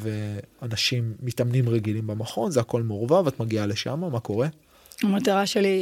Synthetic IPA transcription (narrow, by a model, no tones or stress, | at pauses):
veanaʃimːitamnimʁeɡilimbamaχo̞nzeako̞lmeuʁvavat̪maɡiale̞ʃa̰mamako̞ʁe̞ | amat̪aʁaʃeli